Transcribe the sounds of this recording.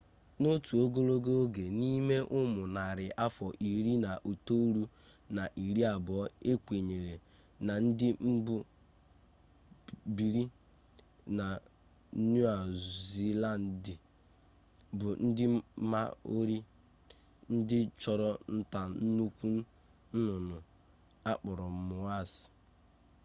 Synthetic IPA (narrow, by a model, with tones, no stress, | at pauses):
no˦tu˨o˦ɡo˦lo˦ɡo˦o˦ɡe˨ni˦me˦ʔʊ˦mʊ˨na˨ɾɪ˨ʔa˦fɔ˨ʔi˨ɾi˦na˨ʔu˨to˦ɾu˦ | na˨ʔi˨ɾi˦a˨bɔ˦e˦kʷe˨ɲe˨ɾe˨ | na˨n̩˦dɪ˦m̩˦bʊ˦ | bi˨ɾi˦ | na˨˦ | nu˦a˨zi˨la˦˨n˨di˨ | bʊ˨n̩˦dɪ˦ma˦o˦ɾi˦ | n̩˦dɪ˦t͡ʃɔ˨ɾɔ˦n̩˦ta˨n̩˦nu˦kʷu˦n̩˦ | n̩˦nʊ˨nʊ˨ | a˦k͡pɔ˨ɾɔ˨mʊ˨a˦˨sɪ̥˨